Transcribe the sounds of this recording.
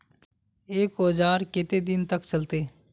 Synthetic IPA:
eːkod͡ʒaːɾkɪt̪ed̪ɪnt̪əkt͡ʃəlt̪eː

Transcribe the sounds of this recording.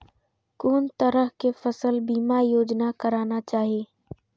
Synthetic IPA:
koːnt̪əɾəɦkefəsəlbiːmaɾjoːd͡ʒnakəɾaːnat͡ʃaːɦieː

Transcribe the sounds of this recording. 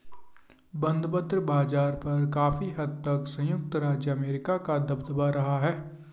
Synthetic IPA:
bɐ̃nd̪pət̪ɾəbaːd͡ʒaːɾpɐɾkaːfiɦɐd̪̚t̪ɐksɐ̃jʊk̚t̪ɾaːd͡ʒjəɐmeːɾɪkakad̪ɐbd̪əbaɾɐɦaɦɛː

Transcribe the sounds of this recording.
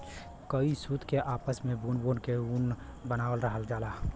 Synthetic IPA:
kəisuːd̪ʱkeʔaːpəsmẽbuːnboːnkeunbənaːwəlɾəɦəld͡ʒaːlaː

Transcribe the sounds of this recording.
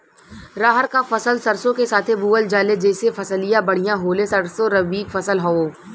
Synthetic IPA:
ɾaːɦəɾkafɐsəlsɐɾsõkesaːt̪ʰebuːəld͡ʒaːled͡ʒɛːsefɐsəlijãbɐɽ̤ijãɦoːlesɐɽsoɾɐʋiːkfɐsəlɦooː

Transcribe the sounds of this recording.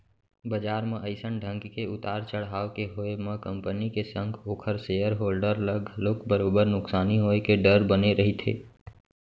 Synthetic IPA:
bəd͡ʒaːɾmẽʔəɪsəɳɖʱə̃ŋkkeʊt̪aːɾt͡ʃəɽɦaːʋkeɦoemə̃kə̃mpənikesə̃ŋɡoːkʰəɾseːjəɾɦoːlɖəɾləɡʱloːkbəɾoːbəɾnʊksaːniɦoːekeɖəɾbəneɾɐɦit̪ʰḛː

